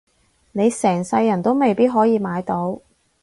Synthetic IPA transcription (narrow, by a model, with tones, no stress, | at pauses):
ne˨˧jsɛː˨˩ŋsɐ˧jːɐ˨˩nt̪o˥wme˨jpiː˥t̚ɦɔː˨˥jiː˨˧maː˨˧jt̪o˨˥w